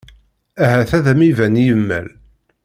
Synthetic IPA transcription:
æɦæθæðæmivænjəmːæ̰l

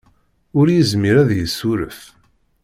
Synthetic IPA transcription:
ʊɾjəzmiɾæðjəsːʊɾə̰f

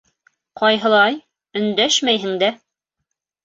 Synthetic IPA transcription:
qɑjɦɤ̆lˠɑj | ɵ̆nd̪æʃmæjɦɘ̆ŋd̪æ

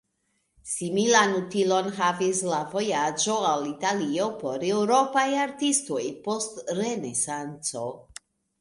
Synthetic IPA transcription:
similanutilonɦavislavo̞jad͡ʒo̞alitalio̞po̞ɾe̞wɾo̞pajaɾtisto̞jpo̞stɾe̞ne̞sant͡so̞

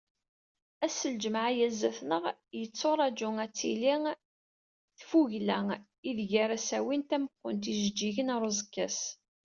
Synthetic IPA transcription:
æsəld͡ʒəmaʕjæzːæθnəʁjət͡sːoɾˤæd͡ʒʊŋæt͡sːiliŋ | θfuʝlæŋ | iðʝaɾæsæwint̪æməqːʊnt̪iʒd͡ʒːiʝənɾˤəzkːæs

